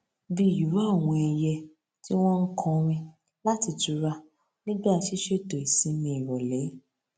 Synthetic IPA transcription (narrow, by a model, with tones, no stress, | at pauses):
bi˧˨ju˨˦ɾa˦˨w̃ɔ̃˧ɛ˧jɛ˧ | ti˦w̃ɔ̃˦n̩˦kʰɔ̃˧ɾ̃ĩ˧ | la˦ti˧tu˨˧ɾa˧ | nĩ˦bʃi˦ʃe˦˨to˨i˨sĩ˨˦mĩ˧i˨ɾɔ˨lɛ˨˦